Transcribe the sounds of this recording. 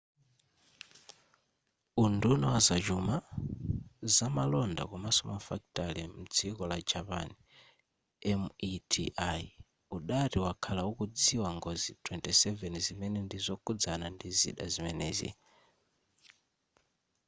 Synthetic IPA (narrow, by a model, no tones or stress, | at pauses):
undunɔwazat͡ʃuma | zamalɔnda̰kɔmasɔmafaktʼalim̩d͡zʰikɔlad͡ʒapa̰ni | ɛmitʰiʔa | uɗatiwakʰalaukud͡ziwaŋɡɔzitʰʼwɛntʼisɛvɛnzimɛnɛndizɔkʰʼud͡zanandizḭɗazimɛnɛːzḭ